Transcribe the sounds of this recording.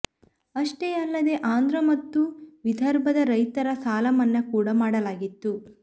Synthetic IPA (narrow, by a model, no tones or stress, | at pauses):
ɐʂʈeɐlːɐd̪e̞ʔaːnd̪ʱɾɐmɐt̪ːuʋid̪ʱɐɾbʱɐd̪ɐɾɐjt̪ɐɾɐsaːlɐmɐnːɐkuːɽɐmaːɽɐlaːɡit̪ːu